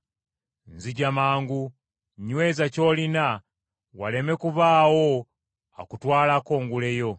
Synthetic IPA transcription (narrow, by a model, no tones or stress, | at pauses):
nziɟamaːŋɡu | ɲwe̞ːzaco̞ːlina | wa̰le̞me̞kuβaːwo | a̰kutwaːlako̞ːŋɡule̞jo̞